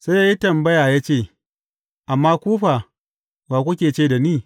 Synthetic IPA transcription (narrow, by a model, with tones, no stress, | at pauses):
sa˦ja˦ja˦tɐ˨mbɐ˦jaː˨jaː˦t͡ʃeː˦˨ | ʔa˨mːaː˦kʷuː˦ɸa˨ | baː˨kʷʊ˦kʲeː˨t͡ʃeː˦˨da˨niː˦˨